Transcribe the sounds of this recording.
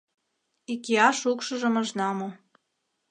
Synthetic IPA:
ikiɑʃukʃɤ̆ʒɤ̆məʒnɑmo

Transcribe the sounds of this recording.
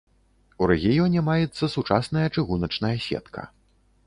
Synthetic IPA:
uɾɛɣʲijɔnʲɛmajɛt̪sːɐsut͡ʂasn̪ɐjɐt͡ʂɨɣunɐt͡ʂnɐjɐsʲɛ̰t̪kʰɐ̰

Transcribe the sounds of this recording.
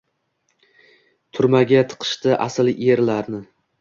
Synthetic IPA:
t̪ʰʊɾmaɡʲat̪ʰɨ̥qʰɨ̥ʃt̪ɪʔasɪljeɾlaɾnɪ

